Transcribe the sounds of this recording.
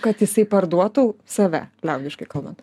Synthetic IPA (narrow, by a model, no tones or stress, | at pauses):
kɐt̪jɪsɐɪpɐɾd̪uɔt̪uːsɐʋʲæ̰lʲæʊd̪ʲɪʃkɐɪkɐlˠbɐnt̪